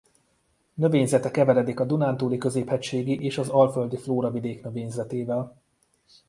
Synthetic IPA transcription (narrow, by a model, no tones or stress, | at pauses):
nø̞veːɲzɛt̪ɛkɛvɛɾɛd̪ikɒd̪unaːnt̪uːlikø̞zeːphɛct͡ʃʃeːɡiʔeːʃɒzɒlføld̪ifloːɾɒvid̪eːknøveːɲzɛt̪eːvɛl